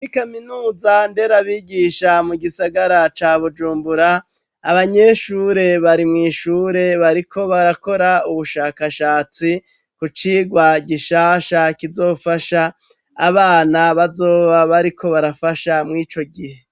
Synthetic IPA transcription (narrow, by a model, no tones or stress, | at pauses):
ikaminuːzande̞ɾaβiɡiʃamuɡisaɡaɾat͡ʃaβud͡ʒuːmbuɾaː | βaɲe̞ʃuːɾe̞βaɾimŋiːʃuːɾe̞βaɾikʰo̞βaɾako̞ɾauβuʃaːkaʃaːt͡si | kut͡ʃiːɡwaɟiʃaːʃakizo̞ːfaʃaː | βaːnaβazo̞ːβaβaɾikʰo̞βaɾafaʃamŋiːt͡ʃo̞ɡihe̞